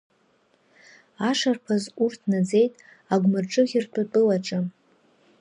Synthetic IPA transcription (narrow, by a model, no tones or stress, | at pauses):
aʂarpʰazurtʰnad͡ze̞jtʼ | aɡʷmɨrʈ͡ʂʼɨʁʲɪrtʷʰatʼɨlaʈ͡ʂʼɨ